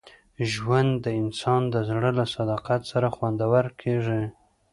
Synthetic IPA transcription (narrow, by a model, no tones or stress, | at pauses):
ʒwand̪ːəɪnsɑnd̪əzɽəlasad̪ɑqat̪saɾaxwand̪awəɾkʰeʐi